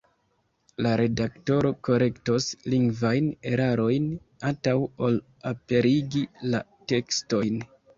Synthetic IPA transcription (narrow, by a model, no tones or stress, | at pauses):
laɾe̞dakto̞ɾo̞ko̞ɾe̞ktosliŋɡvajne̞ɾaɾo̞jn | antawo̞l | ape̞ɾiɡila | te̞ksto̞jn